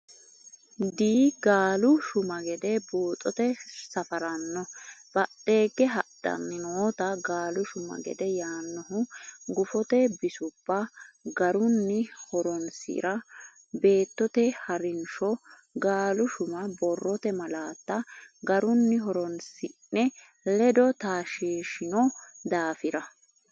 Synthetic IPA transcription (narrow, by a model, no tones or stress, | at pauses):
d̪iːɡaːlʊʃʊmɐɡɛd̪ɛbuːt̪ʼɔt̪ɛsɐfɐɾɐnːɔb̥ɐt̪ːe̞ːɡːɛɦɐd̪̥ɐ̰nːɪnoːt̪ɐɡaːlʊʃʊmɐ̰ɡɛ̰d̪ɛjaːnːɔɦʊɡʊfɔt̪ɛbɪsʊb̥ːɐɡɐɾʊnːɪhɔɾɔnsɪ̰ɾɐ | be̞ːt̪ːɔt̪ɛhɐɾɪnʃɔ | ɡaːlʊʃʊmɐbɔrːɔt̪ɛmɐlaːt̪ːɐɡɐɾʊnːɪɦɔɾɔnsɪnːɛ | lɛd̪ɔt̪aːʃiːʃɪnɔd̪aːfɪɾɐ